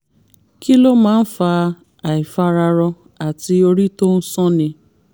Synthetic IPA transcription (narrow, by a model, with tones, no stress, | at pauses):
ki˦lo˦mãː˨˦˧n̩˦fa˧ | a˨i˨fa˧ɾa˧ɾɔ˧ | a˨ti˧o˧ɾi˦to˦n̩˦sɔ̃˦nĩ˧